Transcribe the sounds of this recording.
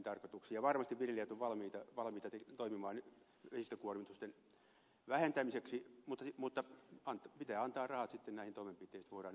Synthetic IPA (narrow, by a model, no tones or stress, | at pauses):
nt̪ɑrkot̪uksijjɑʋɑrmɑst̪iʋʋiljelijæt̪oʋʋɑlmiːt̪ɑʋɑlmiːt̪ɑt̪et̪oimimɑːn | ʋesist̪ækuormit̪ust̪en | ʋæhent̪æmiseksimut̪ːɑmut̪ːɑɑnt̪pit̪æːɑnt̪ɑːrɑhɑt̪sit̪ːenæihnt̪oimempit̪ːˑeˑist̪ʋoiɾɑːn